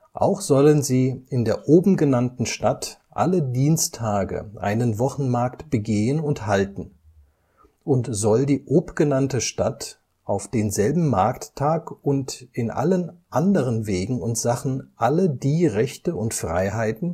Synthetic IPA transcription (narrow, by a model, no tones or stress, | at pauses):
ʔa̰ʊxz̥ɔlənziːʔɪndeːɐʔoːbm̩ɡənantn̩ʃtatʔa̰lədiːnstʰːaːɡə̰ʔa̰ɪnənvɔχn̩maɐktb̥əɡeːənʊnthaltn̩ | ʔʊntz̥ɔldiːʔoːpɡ̥ənantəʃtat | ʔaʊfd̥eːnzɛlbm̩ma̰ɐktʰːaːkʊntɪnʔa̰lənʔa̰ndəʁ̞ənveːɡŋ̩ʊntz̥aχn̩ʔalədiːʁɛçtəʊntfʁ̥a̰ɪɦaɪtn̩